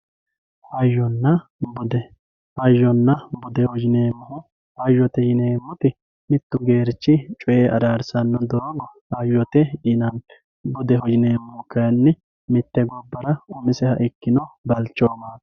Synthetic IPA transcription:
hɐjːɔnːɐbʊd̪ɛ | ɐjːɔnːɐbʊd̪ɛhɔd͡ʒɪneːmːʊhʊ | hɐjːɔt̪ɛjɪneːmːʊt̪ɪ | mɪt̪ːʊɡe̞ːɾt͡ʃːɪt͡ʃʼʊʔeːʔɐd̪aːɾsɐnːɔd̪ɔɾoɡɔ | ɐjːɔt̪ɛjɪnɐn | bʊd̪ɛhɔd͡ʒɪneːmːʊhʊkɐjɐnːɪ | mɪt̪ːɛɡɔbːɐɾɐʊmɪsɛhɐʔɪkːɪnɔbɐlt͡ʃːoːmḁː

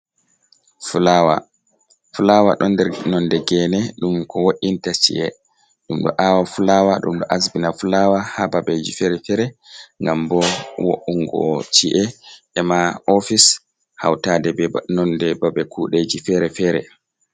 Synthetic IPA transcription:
fulawa̰ | fulawa̰ɗɔndɛɾnɔndɛɡɛnɛɗumkɔwoʔintat͡ʃḭʔɛ | ɗumɗɔ̰ʔawafulawaɗṵmɗɔʔasbinafulawahababed͡ʒifɛɾɛfɛɾɛŋɡambɔwo̰ʔːuŋɡɔ̰t͡ʃiʔɛʔɛmaʔofis | ha̰wtadɛbɛnɔndɛbabɛkuɗed͡ʒifɛɾɛfɛɾɛ̰

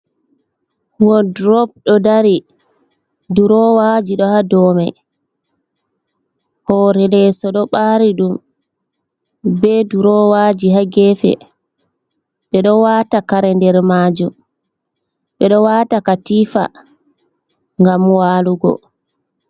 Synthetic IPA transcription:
wɔdɾɔp̚ɗɔdaɾi | duɾɔwad͡ʒiɗɔhadɔmaj | hɔɾɛlɛsɔɗɔɓaːɾiɗum | bɛduɾɔwad͡ʒiɦaɡɛfɛ̰ | ɓɛɗɔwaːtakaɾɛndɛɾmaːd͡ʒum | ɓɛɗɔwaːtakatiːfa̰ | ŋɡamwaːluɡɔ̰

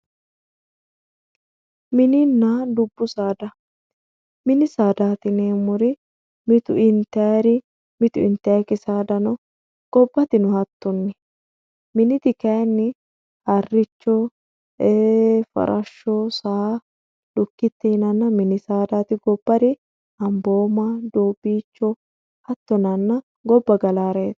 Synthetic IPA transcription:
mɪnɪnːad̪ʊbːʊsaːd̪ɐ | mɪnɪsaːd̪aːt̪ɪneːmʊɾɪ | mɪt̪ʊɪnt̪ɛɾɪ | mɪt̪ʊɪ̰nt̪ɛkɪsaːd̪ɐnɔ | ɡ̥ɔbːɐt̪ɪnʊhɐt̪ːɔnːɛ | mɪnɪt̪ɪkenːɪ | hɐrːɪt͡ʃːɔ | eːfɐ̰ɾʔɐʃːɔsa | ᶑʊkːɪt̪ːɛɪnɐnːɐmɪnɪsaːd̪aːt̪ɪɡɔbːɐɾɪ | ɐmboːmad̪oːbiːt͡ʃːɔ | hɐt̪ːɔnɐnːɐ | ɡɔbːɐɡɐlaːɾeːt̪

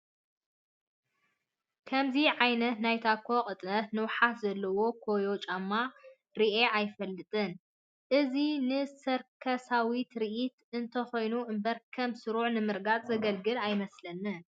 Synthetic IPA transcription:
kʰɐmziʕajnɐt̪najt̪ʰakʰːokʼɨt̪ʼnɐt̪nɨwħatzɐlːɐwo̞kʰo̞jo̞t͡ʃʼamːa | ɾiʔeʔajfɐlːɨt̪ʼɨn | ʔɨzinɨsɐɾkʰɐsawit̪ɾiʔit̪ɨnt̪ʰɐxo̞jnuʔɨmbɐɾkʰɐmsɨɾuʕnɨmɨɾɡat͡sʼzɐɡɐlɡɨlajmɐslɐnːɨn

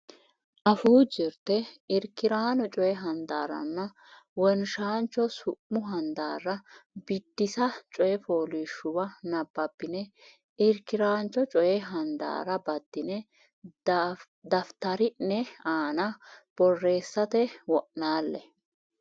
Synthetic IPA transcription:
ʔɐfuːd͡ʒɪɾt̪ɛɪɾkːɪɾaːnɔt͡ʃʼɔjɛɦɐnd̪a̰ːɾɐ̰nːɐ | wɔnʃaːnt͡ʃːɔsʊʔːʊɦɐnd̪a̰ːrɐbɪd̪ːɪsɐt͡ʃʼɔjɛfoːliʃːʊbɐnɐbːɐbːɪnɛ | ɪɾkːɪɾaːnt͡ʃːɔt͡ʃʼɔjɛɦɐnd̪a̰ːɾɐbɐd̪̥ːɪnɛ | d̪ɐft̪ɐɾɪnːɛaːnɐb̥ɔrːe̞ːsːɐt̪ɛwɔʔnaːlːɛ

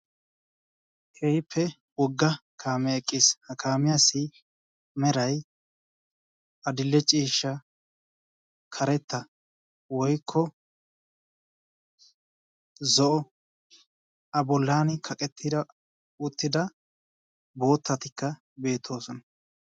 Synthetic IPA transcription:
kʰɛjpːɛ | wɔɡːɐkʰaːmɛɛkʼːɪshɐkaːmɪjasɪ | mɛɾɐj | ɐd̪ɪlːɛt͡ʃʼiːʃːɐ | kʰɐɾɛt̪ːɐ | wɔjkʰːɔ | zɔʔɔ | ɐbɔlːaːnɪkʰɐkʼɛt̪ʰːɪd̪ | ʊt̪ːɪd̪ɐ | bo̞ːt̪ːɐt̪ɪkːɐ | be̞ːt̪ʰːo̞ːsɔnɐ̥

